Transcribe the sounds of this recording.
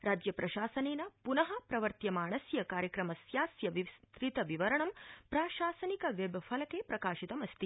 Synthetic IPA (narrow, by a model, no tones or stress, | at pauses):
ɾaːd͡ʒjɐpɾɐʃaːsɐneːnɐpunɐɦɐpɾɐʋɐɾt̪jɐmaːɳɐsjɐkaːɾjɐkɾɐmɐsjaːsjɐʋist̪ɾit̪ɐʋiʋɐɾɐɳɐmpɾaːʃaːsɐnikɐʋebʱɐfʰɐlɐkepɾɐkaːʃit̪ɐmɐst̪i